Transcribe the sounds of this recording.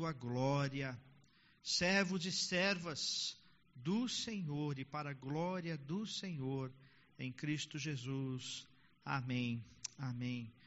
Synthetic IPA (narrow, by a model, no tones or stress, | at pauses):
uɐɡlɔɾiɐ | sɛɾvʊd͡ʒɪsɛɾvɐz̥ | d̪ʊsẽɲoɾɪpaɾɐɡlɔɾiɐd̪ʊsẽɲoɾ | ẽj̃kɾist̪ʊʒezus | amẽj̃amẽj̃